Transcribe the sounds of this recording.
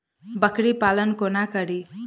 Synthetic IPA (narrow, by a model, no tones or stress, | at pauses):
bəkɽipalənkonakəɾi